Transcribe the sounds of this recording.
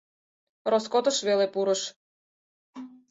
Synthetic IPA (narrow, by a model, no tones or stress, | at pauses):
roskot̪ɤ̆ʃβelepuɾɤ̆ʃ